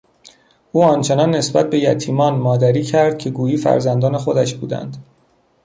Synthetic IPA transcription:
ʔuːɒnt͡ʃʰe̞nɒːnːe̞sbæt̪̚be̞jæ̰t̪ʰiːmɒːnmɒːd̪æɾiːcʰæɾd̪̥̚cʰe̞ɡuːjiːfæ̰ɾzænd̪ɒːne̞xo̞d̪æʃbuːd̪æ̰nd̪̥

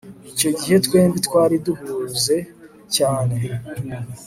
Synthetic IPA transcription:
ico̞ɟiɦe̞twe̞ːmbitwaːɾiduhuːze̞ | caːne̞

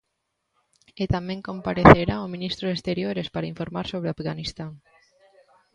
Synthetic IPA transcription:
ɪt̪amɛ̃ŋkõmpaɾeθeɾaʊmĩnist̪ɾʊest̪eɾjoɾespaɾaiɱfoɾmaɾsoβɾɪafɣanist̪aŋ

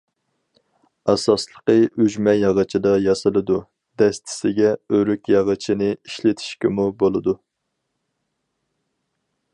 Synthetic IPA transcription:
ɑsɑslˠəqəyʒmɛjɑʁət͡ʃʰid̪ɑjɑsɨlˠɨd̪u | d̪̥ɛst̪ʰɪ̥sɪɡʲɛøɾykʲjɑʁət͡ʃʰinɨiʃlɪt̪ʰi̥ʃkʲɪmubolˠɨd̪u

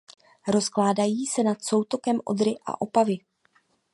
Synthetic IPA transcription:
ɾo̞sklaːdajiːsɛnat̪so̞wt̪o̞kɛmʔo̞̰d̪ɾɪʔa̰ʔo̞pavɪ

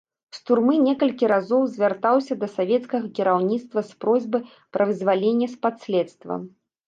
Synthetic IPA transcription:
st̪urmɨnʲɛkɐlʲkʲiɾazɔwzʲvʲart̪awsʲɐd̪ɐsavʲɛt̪skɐɣɐkʲiɾawnʲit̪st̪vɐspɾɔzʲbɨ | pɾʔɐvɨzʲvalʲenʲːɐspat̪sʲlʲɛt̪st̪vɐ̰m

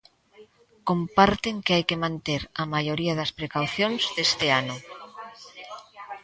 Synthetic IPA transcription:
kompaɾt̪eŋkeajkemãnt̪eɾɐmajoɾiaðɐspɾekawθjõnz̥ðest̪ɪano

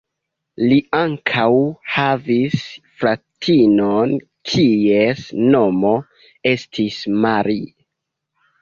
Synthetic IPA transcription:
liaŋkʰawhavisfɾatʰinon | kʰiesno̞mo̞ | e̞stʰismaɾi

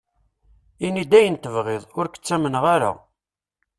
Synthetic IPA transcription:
inid̪æjənt̪əvʁɪðˤʊɾkə̥t͡sːæmənəʁaɾa̰

